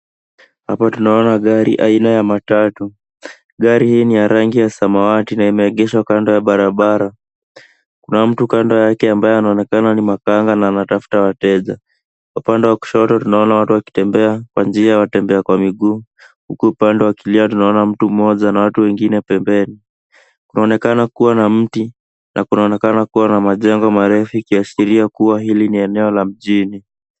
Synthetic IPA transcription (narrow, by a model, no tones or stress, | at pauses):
hapatunaɔnaɠaɾḭʔainajamatatu | ɠaɾihiːnijaɾaŋɡijasamawatinaimɛːɠɛʃwakandɔjaɓaɾaɓaɾa | kunam̩tukandɔjakɛambajɔanaɔnɛkananimakaŋɡanaːnatafu̥tawatɛʄa | kaupandɛwaku̥ʃɔtɔtunaɔnawatuwaki̥tɛmbɛakwand͡ʒiajwatɛmbɛakwamiɠuː | hukuupandɛwakiliatunaɔnam̩tum̩mɔʄanawatuwɛŋɡinɛpɛmbɛni | kunaɔnɛkanakuwanam̩ti | nʔakunaɔnɛkanakuwanamaʄɛŋɡɔmaɾɛfukiasiɾiakuwaɦiliniɛnɛɔlam̩ʄini